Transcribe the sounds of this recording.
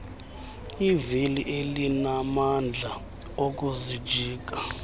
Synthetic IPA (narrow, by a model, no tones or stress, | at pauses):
iviliʔelinamand͡ɮʱa | ok̬ʼuzi̥d͡ʒʱiːk̬ʼa